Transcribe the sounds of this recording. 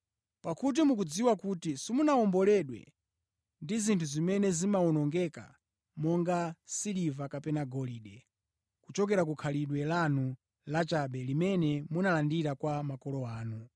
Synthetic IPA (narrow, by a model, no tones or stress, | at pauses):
pakut̬imuk̬ud͡ziwakutisimunaɔmbɔlɛɗwɛ̰ | ndizintʰuzimɛnɛzimaɔnɔŋɡɛka̰ | mɔŋɡasilivakapɛnaɡɔliɗɛ | kut͡ʃɔk̬ɛɾak̬ukʰaliɗwɛlanu | lat͡ʃaɓɛlimɛnɛmunalandiɾakwamakɔlɔaːnu